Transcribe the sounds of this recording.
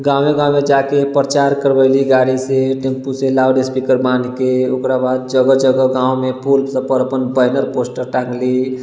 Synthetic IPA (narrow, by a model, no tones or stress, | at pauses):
ɡãwmeɡãmed͡ʒakepɾət͡ʃaɾkəɾbəliɡaɾiseʈempuselawɖespikəɾbankeokɾabad̪̚d͡ʒəɡəd͡ʒəɡəɡãumepʰulsə̃pəɾəpənbəɦnəɾposʈəɾʈãŋɡli